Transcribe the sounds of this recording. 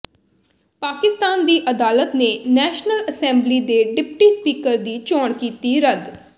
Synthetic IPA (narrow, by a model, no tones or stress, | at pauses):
paːkɪst̪aːnd̪iːʔəd̪aːlət̪neːnɛːʃnələsɛ̃ːmbliːd̪eːɖɪpʈiːspiːkəɾd̪iːt͡ʃɔːɳkiːt̪iːɾəd̪